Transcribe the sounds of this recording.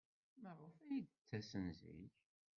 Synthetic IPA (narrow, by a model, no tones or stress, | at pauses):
mərːʊfæjid̪ət͡sːæsənzḭç